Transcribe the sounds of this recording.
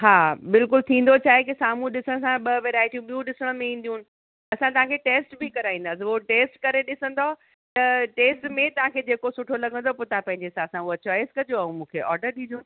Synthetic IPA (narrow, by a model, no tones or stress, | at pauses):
ɦaːbɪlkʊlt̪ʰĩːn̆d̪ot͡ɕʰaːɦekisaːmũɗɪsəɽ̃sãɓɐʋeːɾaːɪʈijũɓijũɗɪsəɽ̃mẽĩːn̆d̪ijũːnɪ̆ | ɐsãt̪ɐʋ̤ãkʰeʈeːsʈbʱikɐɾaːĩnd̪asɪʋoʈeːsʈkɐɾeɗɪsə̃nd̪o | t̪ɐʈeːsʈmẽt̪ɐʋ̤ãkʰeːd͡ʑeːkosʊʈʰolɐɡʱə̃nd̪opot̪apɐ̃ɦɪ̃ɲd͡ʑesãsãɐt͡ɕɔːɪskɐd͡ʑoaːɦũmũːkʰeʔɔːɾɖəɾɗĩːd͡ʑoːn